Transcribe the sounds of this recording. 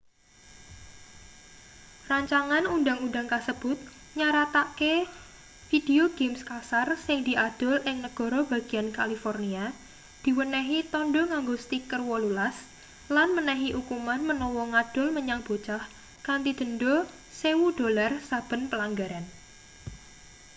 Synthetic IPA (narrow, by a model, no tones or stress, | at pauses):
raɲt͡ʃaŋanunda̤ŋundaŋkasəb̥ʊt̪̚ | ɲaɾat̪ake | fid̥eoɡ̥emskasarsɪŋd̪̥i̤ʔad̪̥ɔ̤lʔɪŋnəɡ̥ɔ̤ɾɔb̥a̤ɡ̥i̤ankalifɔrnia | d̪̥i̤wənɛɦit̪ɔnɖɔŋaŋɡost̪ikərwɔlulas | lanmənɛɦiʔukumanmənɔwɔŋad̥ʊlməɲaŋb̥ot͡ʃah | kant̪id̪̥ə̤nɖɔ | sewud̥olarsab̥ə̤npəlaŋɡaɾan